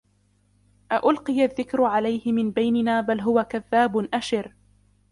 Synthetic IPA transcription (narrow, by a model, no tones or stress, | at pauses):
ʔaʔʊlqɨjaðːɪkɾʕalajhɪmɪnbajnɪnaːbalɦʊwakaðːaːbʊnʔaʃɪɾ